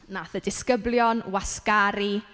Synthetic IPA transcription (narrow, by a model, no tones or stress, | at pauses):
naθədɪskəbljɔnwaskaɾi